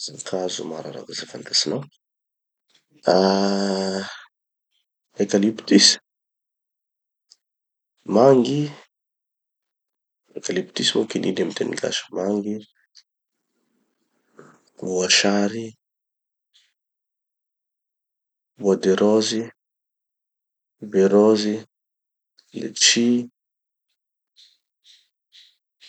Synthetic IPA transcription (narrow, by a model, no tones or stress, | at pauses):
zakʰazṵmaɾa̰ɾa̰kazafant̪asinaw | a | ekalipit̪is | maŋɡi | ekalipi̥t̪isimokininamit̪enḭɡa̰ʃmaŋɡi | vwaʃaɾi | bwadɛɾɔzi | bɛɾɔzi | lḛt͡ʃi